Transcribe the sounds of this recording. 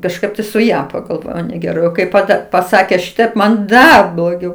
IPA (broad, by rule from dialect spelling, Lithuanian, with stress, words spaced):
kɐʃˈkɐɪp tɐɪ sʊ ˈjɛ pɐɡɐlˠˈʋoːjɛʊ nʲɛɡʲɛˈrɐɪ oː ˈkɐɪp pɐˈdɐ pɐˈsɑːkʲeː ˈʃʲɪtɐɪp mɐn ˈdɐr blˠoːˈɡʲɛʊ